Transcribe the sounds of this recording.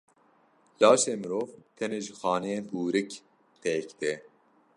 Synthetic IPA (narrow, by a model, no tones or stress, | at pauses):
lɑːʃeːmɨɾoːvt̪ʰɛneːʒɨxɑːnɛjeːnbuːɾɨk | t̪ɛkd̪ɛː